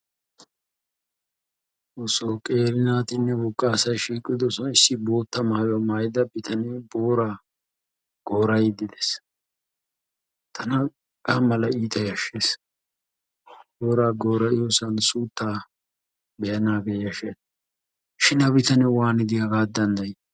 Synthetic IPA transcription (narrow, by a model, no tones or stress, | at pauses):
osokʼe̞ːɾɪnaːt̪ɪnːɛbɔkʼːaːsɐjʃiːkʼːɪd̪ɔsɔnɪsːɪbo̞ːt̪ːɐmaːjɐmaːjɪd̪ɐbɪt̪ʰɐnɛbo̞ːɾa | ɡ̥o̞ːɾɐjd̪ɪd̪ɛs | t̪ʰɐnɐ | kʼɐmɐlɐiːt̪ʼɐjɐʃes | boːɾaːɡo̞ːɾɐʔɪjosɐnsuːt̪ːaː | bɛjɐnaːɡeːɐʃɛn | ʃɪnɐbɪt̪ɐnɛwaːnɪd̪ɪjɐɡaːd̪ːɐnd̪ɐj